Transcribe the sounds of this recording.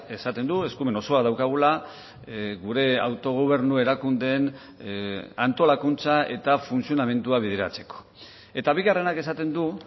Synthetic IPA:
e̞sat̪e̞nd̪ueskume̞no̞so̞aðawkaɣ̞ula | ɣuɾe̞a̰wt̪o̞ɣ̞oβ̞e̞ɾnue̞ɾakund̪e̞n | ant̪o̞lakunt͡sae̞̰t̪afunsio̞name̞nt̪uaβ̞iðeɾa̰t͡se̞̥ko̥ | e̞t̪aβiɣare̞nake̞sat̪end̪u

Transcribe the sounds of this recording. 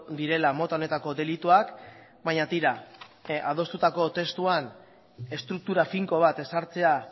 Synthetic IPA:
d̪iɾe̞lamo̞t̪ao̞ne̞t̪ako̞d̪e̞lit̪uak | baɲat̪iɾa | að̞o̞st̪ut̪ako̞t̪e̞st̪uan | e̞st̪ɾuk̚t̪uɾafiŋko̞β̞at̪e̞saɾt͡se̞a

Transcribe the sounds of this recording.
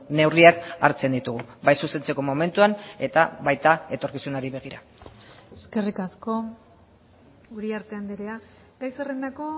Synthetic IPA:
ne̞wriaka̰ɾt͡se̞nd̪it̪uɣ̞ubajsuse̞nt͡se̞ko̞mo̞me̞nt̪uane̞t̪aβajt̪ae̞t̪o̞ɾkisunaɾiβe̞ɣ̞iɾa̰ | eske̞rikasko̞ | uɾiaɾt̪eand̪eɾea | tajserend̪ako̞

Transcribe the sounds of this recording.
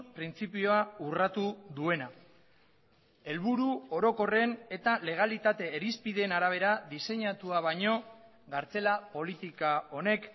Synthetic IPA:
pɾint͡sipio̞aurat̪uðue̞na | e̞lβuɾuo̞ɾo̞ko̞re̞ne̞t̪ale̞ɣ̞alit̪at̪e̞ːɾispiðe̞ːnaɾaβ̞e̞ɾaðise̞ɲat̪uaβ̞aɲo̞ | ɡaɾt͡se̞lapo̞lit̪ikao̞ne̞k

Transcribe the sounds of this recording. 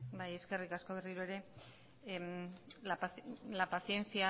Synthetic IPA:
baje̞ske̞rikasko̞β̞e̞riɾue̞ɾe̞ | mlapalapaθie̞nt͡sia

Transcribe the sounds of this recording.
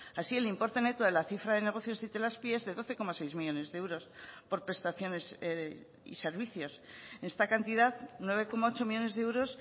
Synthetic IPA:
asie̞limpo̞ɾt̪e̞ne̞t̪oðelaθifɾaðe̞ne̞ɣo̞θjo̞zðit̪elaspje̞zðe̞ðo̞θe̞ko̞masejzmiʎʝo̞ne̞zðeewɾo̞spo̞ɾpɾe̞st̪aθjo̞ne̞s | ḭse̞ɾβ̞iθjo̞senest̪akant̪iðaðnwe̞β̞e̞ko̞mao̞t͡ʃo̞miʝo̞ne̞zðeewɾo̞s

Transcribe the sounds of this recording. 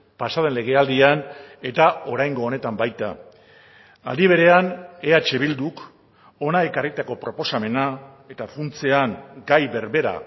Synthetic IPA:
pasaðe̞nle̞ɣ̞e̞ald̪iane̞t̪ao̞ɾajŋɡo̞ːne̞t̪ambajt̪a̰ | a̰ðiβ̞e̞ɾe̞ane̞at͡ʃe̞βild̪uk | o̞nae̞karit̪ako̞pɾo̞po̞same̞na | e̞t̪afunt͡se̞aŋɡajβe̞ɾβe̞ɾa̰

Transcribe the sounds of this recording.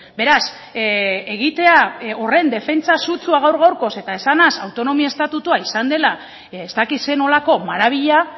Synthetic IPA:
be̞ɾas | e̞ɣ̞it̪e̞ao̞re̞nd̪e̞fe̞nt͡sasut͡suaɣ̞awɾɣawɾko̞se̞t̪ae̞sanasawt̪o̞no̞miaest̪at̪ut̪uaisand̪e̞la | est̪akit̪se̞no̞lako̞maɾaβ̞iʎa

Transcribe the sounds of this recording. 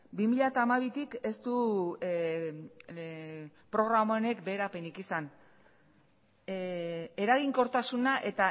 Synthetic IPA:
bimiʎat̪aːmaβit̪ike̞st̪u | pɾo̞ɣɾamaone̞kbe̞ːɾape̞nikisan | e̞ɾaɣiŋko̞ɾt̪asunaʔe̞t̪a

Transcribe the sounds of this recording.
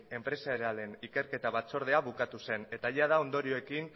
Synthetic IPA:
e̞mpɾe̞saeɾeale̞nike̞ɾke̞t̪aβat͡so̞ɾð̞e̞aβukat̪use̞ne̞t̪aʝað̞ao̞nd̪o̞ɾio̞ekin

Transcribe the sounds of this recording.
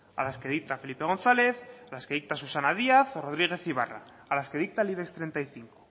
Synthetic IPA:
a̰laske̞ð̞ik̚t̪afe̞lipe̞ɣ̞o̞nθale̞θalaske̞ð̞ik̚t̪asusanað̞iaθoro̞ðɾiɣ̞e̞θiβ̞a̰ra̰ː | laske̞ð̞ik̚t̪aliβekst̪ɾe̞nt̪ajθiŋko

